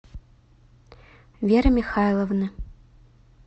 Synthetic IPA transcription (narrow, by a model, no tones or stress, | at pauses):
vʲeɾɨmʲixajlˠɐvnɨ